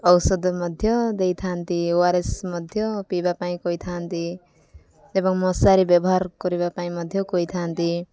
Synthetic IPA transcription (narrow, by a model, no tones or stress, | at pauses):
ʌwsʌd̪mʌd̪ʱjʌd̪ejt̪ʰant̪iwaɾesmʌd̪ʱjʌpibapaĩkʌjt̪ʰant̪i | t̪ebʌŋmʌsaɾibjʌbɔɦarkʌɾibapaĩmʌd̪ʱjʌkojt̪ʰant̪i